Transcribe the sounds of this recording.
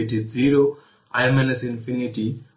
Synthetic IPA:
itid͡ziɾo | ajmɛnɛsinfiniti

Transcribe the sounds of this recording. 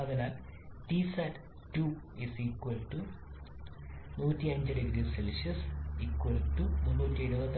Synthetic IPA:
ɐðɐnaːltisɐʈ | tu | isiːkwɐlʈu | nuːtːiɐɲd͡ʑɨɖeɡɾiselɕɐsiːkːwɐlʈununːuːtːiɐɻubɐt̪ː

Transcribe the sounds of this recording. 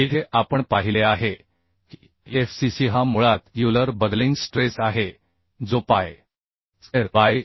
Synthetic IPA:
iʈ̪ʰeʔapəɳpaɦileaɦe | ki | efsisiɦamuɭat̪juləɾbəd̪linsʈɾesaɦe | d͡zopaj | seɾa

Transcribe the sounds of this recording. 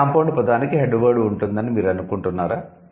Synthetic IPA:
ampoɳɖpɔd̪aːnikiɦeɖːuʋɐɾɽuuɳʈund̪ɐnimiːɾɐnukuɳʈunːaːɾaː

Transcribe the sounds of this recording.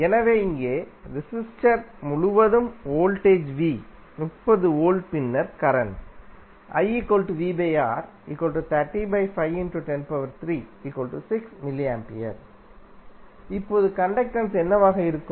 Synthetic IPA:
ɛnɐʋeːɪŋɡeːɾɪsɪsʈɐɾmʊɻʊʋɐðɯmoːlʈeːd͡ʒʋiː | nʊpːɐðɯoːɭpɪnːɐɾkɐɾɐn | ʔɐ̰ɪikoːlʈuʋiːbeːaːɾ | ḭkːoːlʈɯt̪ɐʈːibɐɪfɐɪʋɪnʈuʈɛnpɐʋɐɾt̪ɾiːiːkoːlʈusɪksmɪliaːmpɪ̰jɐ̰ɾ | ɪpːoːðɯkɐɳɖɐk̚ʈɐnsɛnːɐʋaːɣɐɪɾɯkːɯ

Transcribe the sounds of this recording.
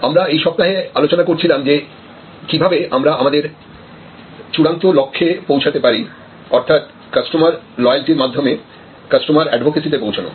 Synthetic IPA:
amɾaejʃɔb̚t̪aɦealot͡ɕonakoɾt͡ɕʰilamd͡ʑe | kibʱabeamɾaamad̪eɾ | t͡ɕuɽant̪olokʰːepowt͡ɕʰat̪epaɾi | ɔɾt̪ʰat̪̚ | kasʈomaɾ | lɔealʈiɾmad̪ʱːome | kasʈomaɾɛɖbʱokesit̪̬epowt͡ɕʰano̰

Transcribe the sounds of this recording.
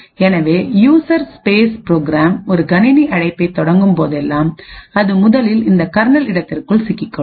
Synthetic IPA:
ɛnɐʋeːjuːsɐɾspeːspɪɾoːɡɾaːmɔɾɯɡɐnɪniʔɐɽɐɪpːɐɪt̪ːɔɽɐŋɡɯmpoːðɛlːaːmɐðɯmʊðɐlɪlɪnd̪ɐkɐɾnɐlɪɽɐt̪ːɪrkɯɭsɪkːɪkːɐ

